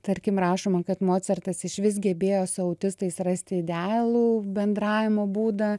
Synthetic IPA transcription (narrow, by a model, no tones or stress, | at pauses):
t̪ɐɾʲkʲɪmrɑːʃoːmɐkɐt̪moːt̪sʲɛrt̪ɐsɪʃʲʋʲɪs̬ɡʲɛbʲeːjoːsʊɐʊt̪ʲɪst̪ɐɪsrɐsʲt̪ʲɪɪd̪ʲælˠuːbʲɛnd̪ɾɑːʋʲɪmoːbuːd̪ɐ